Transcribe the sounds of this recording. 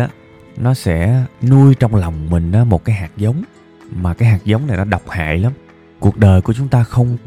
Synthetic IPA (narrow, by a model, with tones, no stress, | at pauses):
aː˨˦ | nɔ˨˦sɛ̰˧˥nu˧əjt͡ɕɔ˧wŋ͡mla˨˩wŋ͡mmï˨˩ŋ̟ʔaː˨˦mo˨˩t̚kaː˨˦jɦaː˨˩k̚zə˨˦wŋ͡m | maː˨˩kaː˨˦jɦaː˨˩k̚zə˨˦wŋ͡mna˨˩jnɔ˨˦ɗa˨˩wk͡p̚ha̰ː˧˨jla˨˦m | ku˨˩ək̚ɗəː˨˩jku˧˩ət͡ɕʊ˨˦ŋ͡mt̪aː˧xə˧wŋ͡m